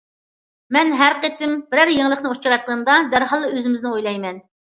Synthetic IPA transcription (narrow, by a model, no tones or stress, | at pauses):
mɛnɦæɾqet̪ɪmb̥ɪɾæɾjeŋlˠəχnɨot͡ʃuɾɑt̪̚qʰənɨmd̪ɑd̪æɾɦɑlˠːɨøzɪmɪznɪojlˠɑjmɛn